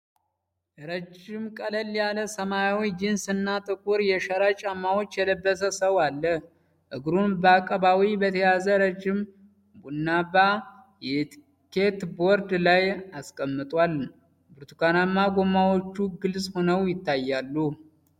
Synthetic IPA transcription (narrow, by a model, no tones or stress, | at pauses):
ʔɨɾəd͡ʒɪmkʼələljaləsəmajawijd͡ʒɪnsɨnːat̪ʼɨkʼuɾjɛʃəɾat͡ʃʼamːawo̞t͡ʃːjɛləbːəs̬əsəwalːə | ʔɨɡɾunbəakʼəβawibət̪ʰəjazəɾəd͡ʒɪm | bunːaba | jɛt̪ʰi | ke̞t̪bo̞ɾd̪lajaskʼəmːɨt̪ʼwal | bɨɾt̪ʰukanamːaɡo̞mːawo̞t͡ʃːuɡɨlsʼho̞nəwjɪt̪ːajːalːu